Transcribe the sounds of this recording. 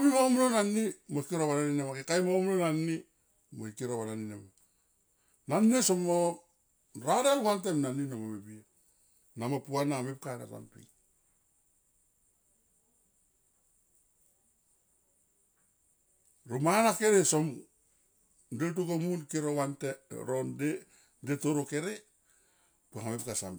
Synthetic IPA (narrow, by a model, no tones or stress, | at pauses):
mimomnonanːimokiɾowananinamakekajmomnonanːi | moikiɾowananinama | nanːesomo | ɾaɾeŋwantemnaninamomebia | namapuanamep̚kana̰ta̰npḭ | ɾomanakeɾesom | det̬ukomunkiɾowanteɾonde | detoɾoke̞ɾe | puaŋamepkasam